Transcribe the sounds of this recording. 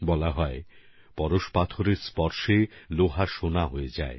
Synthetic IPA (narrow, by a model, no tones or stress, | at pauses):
bɔlaɦɔe | pɔɾoʃpat̪ʰoɾeɾspɔɾʃeloɦaʃonaɦoed͡ʑae